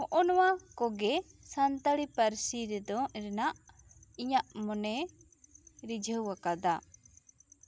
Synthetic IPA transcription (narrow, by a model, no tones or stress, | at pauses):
hɔʔɔnɔwakɔɡɛ | sant̪əɽipəɾsiɾɛd̪ɔʔɾɛnaʔ | iɲaʔmɔnɛ | ɾid͡ʒʱəwwakad̪a